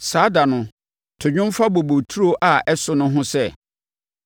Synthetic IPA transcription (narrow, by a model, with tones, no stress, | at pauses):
saː˨˦da˨nʊ̃˨ | tʰʊ˨ɲᶣʊ̃˦m˦fa˦bo˨bo˨tʰu˦ɾo˦ʔa˨ʔɛ˦sʊ˨nʊ̃˦ɦʊ̃˦sɛ˦˨